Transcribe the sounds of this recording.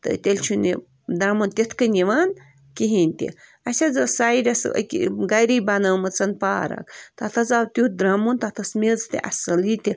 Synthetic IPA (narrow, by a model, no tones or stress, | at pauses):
t̪ɨ̰t̪ʲelʲt͡ʃʰunʲi | d̪ɾamunt̪ʲit̪ʰkɨnʲiʋan | kiɦinʲt̪ʲḭ | ɐsʲad͡zɨsaiɾʲɐsə̰kʲḭɡɐjɾibanəːmɨt͡sɐnpa̰ːɾɐ̰kt̪ɐt̪ʰɐzawt̪ʲud̪ɾamunt̪ɐt̪ʰɐsmʲezt̪ḭʔɐ̰sɐlit̪ʲi